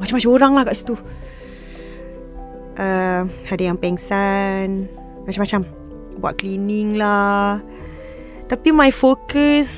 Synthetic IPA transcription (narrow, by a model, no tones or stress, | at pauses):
mat͡ʃamat͡ʃamoɾaŋlahkaʔsi̥t̪u | ʔəhadajaŋpɛŋsan | mat͡ʃamat͡ʃam | bua̰ʔ̪̚kliniŋla | t̪apimajfokəs